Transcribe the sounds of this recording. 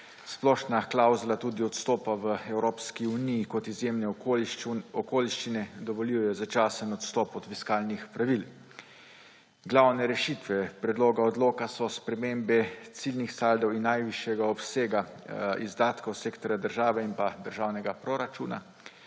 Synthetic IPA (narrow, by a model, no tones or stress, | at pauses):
splɔʃnaklawzulat̪uːd̪iɔt̪st̪ɔːpaʋəɛwɾoːpskiunijːkɔt̪izjeːmnɛ | ɔkoːliʃt͡ʃinɛd̪ɔʋɔlijɔjɔzat͡ʃaːsənɔt̪st̪ɔːpɔt̪fiskaːlnixpɾaʋil | ɡlawnɛɾɛʃit̪ʋɛpɾɛd̪loːɡaɔd̪loːkasɔspɾɛmeːmbɛt̪silnixsald̪ɔwinːajʋiʃjɛɡaɔpseːɡaizd̪aːt̪kɐwseːkt̪ɔɾjad̪əɾʒaːʋɛinpad̪əɾʒaːwnɛɡapɾɔɾat͡ʃuːna̰